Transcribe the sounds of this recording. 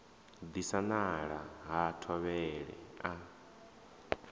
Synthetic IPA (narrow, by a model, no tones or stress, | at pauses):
d̪isanaɺaɦatʰɔβɛɺɛ̰a